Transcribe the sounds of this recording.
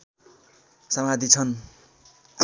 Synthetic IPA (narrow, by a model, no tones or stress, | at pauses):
sʌmad̪it͡sʰʌn | k